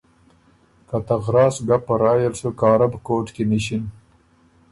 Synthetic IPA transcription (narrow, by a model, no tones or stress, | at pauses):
kat̪aɣɾɑːsɡapːɐɾɑːjelsokɑːɾabkoːʈkiniɕin